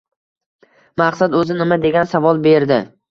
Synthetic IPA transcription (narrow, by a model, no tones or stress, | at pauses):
maqsad̪ɵzɪnɪmad̪e̞ɡʲansavɒlˠbe̞ɾd̪ɪ